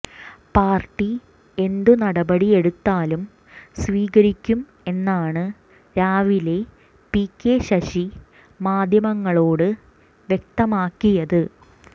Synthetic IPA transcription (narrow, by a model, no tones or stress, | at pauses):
paːrʈːi | e̞nd̪unɐɽɐbɐɽie̞ɽut̪ːaːlum | sʋiːɣɐɾikʲːum | e̞nːaːɳɨ | ɾaːʋile̞ | pikːeɕɐɕi | maːd̪ʱjɐmɐŋːɐɭo̞ːɽɨ | ʋjek̚t̪ɐmaːkːijɐðɨ